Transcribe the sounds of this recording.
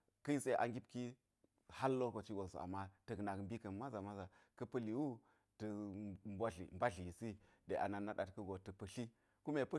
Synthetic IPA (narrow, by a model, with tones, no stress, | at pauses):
kə˦ji˦se˦˨ʔa̰˨ŋɡʲi˦p̚ki˦ | ha˦lːo˦ko˨t͡ʃi˦ɡo˨sṵ˨a̰˨mːa˦tɐ˨kna˨kmbi˦kɐ˨ma˦za˨ma˦za˨kɐ˦pɐ˦li˨wu˦ | tə˨m˦bʷa˦ɮḭ˨m˨ba˦ɮi˨ji˨si˦ | de˨ʔa̰˨na˨nːa˦ɗa˨tkə˦ɡo˨tə˨pɐ˨ɬi˦ | ku˦me˨pə˦